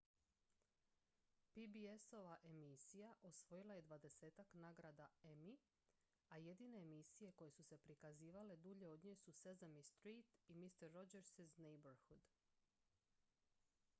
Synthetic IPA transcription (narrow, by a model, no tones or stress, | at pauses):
pibieso̞ʋaʔe̞misijaʔosʋo̞jilaje̞d̪ʋad̪e̞se̞ːt̪aknaːɡɾad̪ae̞mi | aje̞d̪ine̞ːmisije̞ko̞je̞suse̞pɾikaziːʋale̞d̪uʎe̞o̞d̪ɲeːsusezamist̪ɾiːt̪imist̪eɾːod͡ʒeɾsiznejboɾxud̪